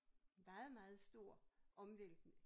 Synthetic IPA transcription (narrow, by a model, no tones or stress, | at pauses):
nmɑ̈ːð̩ˠmɑ̈ːð̞̩ˠsd̥o̝ɐ̰ʔɒ̽mʋel̰ɡ̥nə